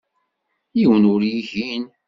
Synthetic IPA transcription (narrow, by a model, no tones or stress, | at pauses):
jiwənʊɾjiʝin